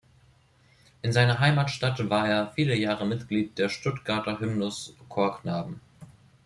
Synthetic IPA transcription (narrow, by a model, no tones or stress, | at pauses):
ʔɪnzaɪnɐɦaɪmaːtʃtatvaːɐeːɐfiːləjaːʁəmɪtɡ̥liːt̚d̥eːɐʃtʊtɡ̥aɐtɐɦɪmnʊskʰoːɐkʰnaːbm̩